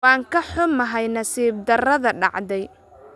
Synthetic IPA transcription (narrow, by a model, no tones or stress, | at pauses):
aːŋkʰɐħʊmɐɦɛjnɐsiːb̚d̪ɐrɐðɐɖɑ̰ʕd̪ɛj